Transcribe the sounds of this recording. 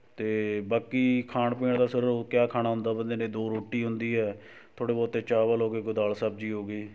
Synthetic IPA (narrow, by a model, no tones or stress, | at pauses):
t̪eːbaːkiːkʰaːɳpĩːɳd̪aːsəɾokjaːkʰaːnaːɦʊ̃nd̪aːbənd̪eːnẽːd̪oːɾoːʈːiːɦʊnd̪iːɦɛː | t̪ʰoːɽeːbɔːt̪ːeːt͡ʃaːʋaːlɦoːɡeːkʊd̪aːlsəb̚d͡ʒiːɦoːɡiː